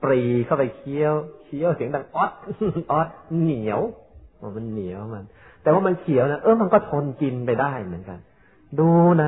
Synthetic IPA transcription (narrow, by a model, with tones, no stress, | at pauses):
pɾiː˨˩kʰa˥˩wpa˧jkʰi˧˥əwkʰi˧˥˩əwsʰi˩˦əŋda˧ŋʔɔ˦˥t̪̚ʔɔ˦˥t̪̚ni˩˦əwʔɔː˧˩ma˧nːi˨˩˦əwma˧n | t̪ɛː˨˩waː˥˩ma˧nkʰi˨˩˦əwna˦˥ʔɤː˧˩ma˧nkɔː˥˩t̪ʰo˧nki˧npa˧jdaː˥˩jmɯ˩˦ənka̰˧n | duː˧na˦˥